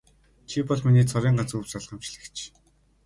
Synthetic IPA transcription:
t͡ɕʰipɔɮminiːt͡sʰɔɾiːɴɢat͡suwsaɮʁə̆mt͡ɕɮɘ̆kt͡ɕʰ

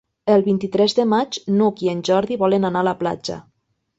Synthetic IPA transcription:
əlˠβint̪it̪ɾɛzðəmad͡ʒnukienʲʒɔɾðiβɔlənanaːlapla̰d͡ʒa̰

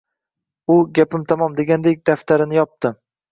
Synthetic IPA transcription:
ʊɡʲapɪmt̪ʰamɒmd̪e̞ɡʲand̪ek̚ʲd̪aft̪ʰaɾɪnɪjɒp̚t̪ʰɪ

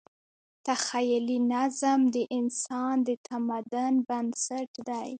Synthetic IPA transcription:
t̪axajlinazamd̪əʔɪnsɑnd̪ət̪ʰamad̪ʊnband̪saʈd̪aj

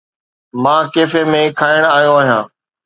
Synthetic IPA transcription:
mãːkeːfemẽkʰaːɪɽ̃aːɦijõaːɦijãː

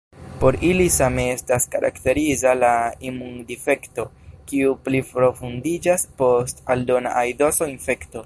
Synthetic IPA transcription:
po̞ɾilisame̞e̞staskaɾʔa̰kte̞ɾizalaimundife̞kto̞kiuplipɾo̞fundid͡ʒaspo̞staldo̞na̰ʔajdosoinfe̞kto̞

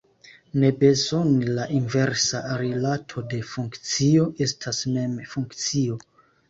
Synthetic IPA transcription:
ne̞be̞zo̞nilaʔinve̞ɾsaɾilatʰo̞de̞fuŋkt͡sio̞ʔe̞stʰasme̞mfuŋkt͡sio̞

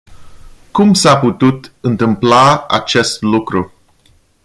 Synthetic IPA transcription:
kumsaput̪ut̪ɨnt̪ɨmplaa̰t͡ʃe̞st̪lukɾu

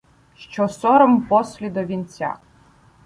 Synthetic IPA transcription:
ʃt͡ʃɔsɔɾɔmpɔslʲid̪ɔʋʲint͡sʲa̰

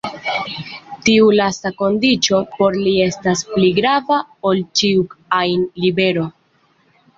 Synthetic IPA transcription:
tiulastako̞ndit͡ʃo̞po̞ɾlie̞staspliɡɾavao̞lt͡ʃiukajnlibe̞ɾo̞

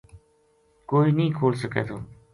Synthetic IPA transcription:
koːiːnĩːkʰoːlsəkḛːt̪ʰoː

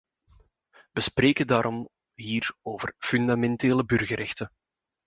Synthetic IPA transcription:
ʋəspreːkəndaːɾʔɔm | ɦiːroːvərfyndamɛnteːləbɵrɣəɾɛxtə

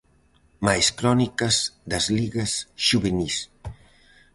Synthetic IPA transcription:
majskɾɔnikɐzd̪ɐzliɣɐsʒuβenis

